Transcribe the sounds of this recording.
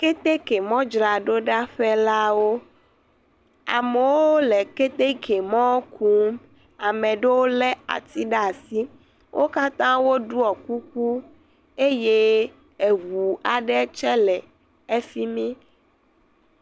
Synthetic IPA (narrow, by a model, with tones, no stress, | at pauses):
ke˦t̪e˦ke˨mɔ̃˦d͡ʒɾa˨ɖo˦ɖa˦ɸɛ˦la˦wo˦ | a̰˨me˨wo˦le˨ke˦t̪e˦ke˨mɔ̃˦kʰu˦m | a˨mẽ˨ɖe˦wo˦lɛ˦a̰˨t̪i˦ɖa˦˨si˦ | wʔo˦ka˦t̪ã˦wo˦ɖu˦ɔ˨ku˦k̚u˦ | e˦je˦ | e˨ɣu˨a˨ɖɛ˦t͡ʃɛ˦lɛ˨ | e˦fi˦mĩ˦